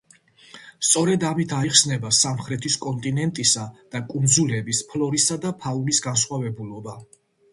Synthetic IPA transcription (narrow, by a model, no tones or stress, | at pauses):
st̪sʼɔɾɛd̪amit̪ʰaiχsnɛbasamχɾɛt̪ʰiskʼɔnt̪ʼinɛnt̪ʼisad̪̥akʼund̪zulɛbispʰlɔɾisad̪apʰaulisɡansχwavɛbulɔba